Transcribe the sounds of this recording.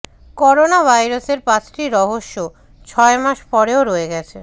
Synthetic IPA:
kɔɾonabʱajɾaseɾpãt͡ɕʈiɾɔɦoʃːo | t͡ɕʰɔemaʃpɔɾeoɾɔeɡɛt͡ɕʰḛ

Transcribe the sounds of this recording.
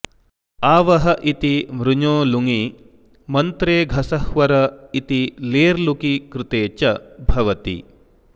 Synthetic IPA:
aːʋɐɦɐʔit̪imɾuɲoːluŋi | mɐnt̪ɾeːɡʱɐsɐhʋɐɾɐit̪ileːɾlukikɾɪt̪eːt͡ʃɐbʱɐʋɐt̪ḭ

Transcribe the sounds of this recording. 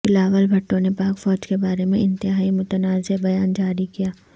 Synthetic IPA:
bɪlaːʋəlbʱɐʈːõnepaːkfɔːd͡ʒkebaːɾemẽɪ̃nt̪ɪɦaːimʊt̪ənaːzebɐjaːnd͡ʒaːɾikijaː

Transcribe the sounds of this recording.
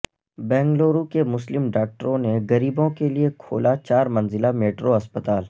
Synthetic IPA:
bɛ̃ːŋɡloːɾukemʊslɪmɖaːk̚ʈəɾõneɣɐɾiːbõkeliekʰo̰ːlat͡ʃaːɾmɐ̃nzɪlameːʈɾoɐspət̪aːl

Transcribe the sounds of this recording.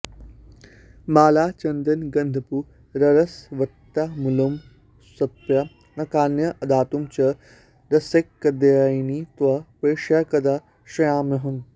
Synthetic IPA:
maːlaːt͡ʃɐnd̪ɐnɡɐnd̪ʱɐpu | ɾɐɾɐsʋɐt̪ːamulɐm | sɐt̪̚ʋja | nɐkaːnjɐʔɐd̪aːt̪umt͡ʃɐ | ɾɐsekːɐd̪ɐjnit̪ʋɐpeːʂjaːkɐd̪aː | ʃɐjaːmnɐɦɐm

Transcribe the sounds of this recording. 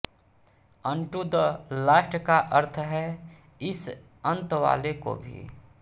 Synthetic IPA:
ə̃ɳʈud̪laːʃʈəkaʔəɾt̪ʰɦɛ | ɪs | ə̃nt̪ʋa̰ːleko̰bʱḭ

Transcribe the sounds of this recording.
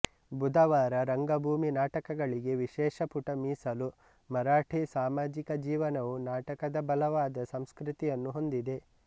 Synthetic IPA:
bud̪ɐʋaːɾɐɾɐŋɡɐbʱuːminaːʈɐkɐɡɐɭiɡe̞ʋiʃɛːʃɐpuʈɐmiːsɐlu | mɐɾaːʈʰisaːmaːd͡ʒikɐd͡ʒiːʋɐnɐʋunaːʈɐkɐd̪ɐbɐlɐʋaːd̪ɐsɐmskɾit̪ijɐnːuɦo̞nd̪id̪e̞

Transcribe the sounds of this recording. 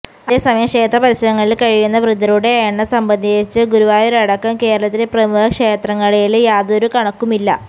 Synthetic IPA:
ɐesɐmɐjɐkʂe̞ːt̪rɐpɐɾiɕɐɾɐŋːɐɭilkɐɻijunːɐʋrɨd̪ɐɾuɽe̞ɐjɐɳːɐsɐmbɐnd̪ʱiit͡ɕːɨɡuɾuʋaːjo̞ɾeɐɽɐkːɐmke̞ːɾɐɭɐt̪ːileprɐmuhɐkʂe̞ːt̪rɐŋːɐɭeljaːðoɾukɐɳɐkːumilːɐ

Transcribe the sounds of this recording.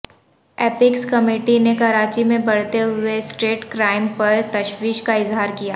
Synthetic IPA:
eːpɪkskɐmeːʈinekɐɾaːt͡ʃimẽbɐɽ̤t̪eɦʊesʈeːʈkɾaːɪmpɐɾt̪ɐʃwiːʃkaɪzɦaːɾkijaː

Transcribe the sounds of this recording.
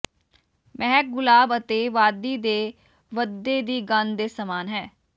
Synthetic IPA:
mɛɦɛk̚ɡʊlaːbət̪eːʋaːd̪iːd̪eː | ʋəd̪ːeːd̪iːɡənd̪eːsəmaːnɦɛː

